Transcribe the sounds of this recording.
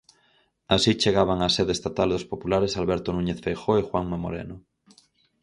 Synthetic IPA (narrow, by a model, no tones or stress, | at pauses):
asit͡ʃeɣaβ̞aŋaseðest̪at̪ald̪ospopulaɾesalβɛɾt̪onũɲeθfejxoexwaŋmamo̰ɾḛno